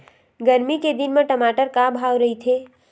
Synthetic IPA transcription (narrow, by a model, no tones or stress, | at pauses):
ɡəɾmiked̪inmeʈəmaːʈəɾkabʱawɾəɦit̪ʰe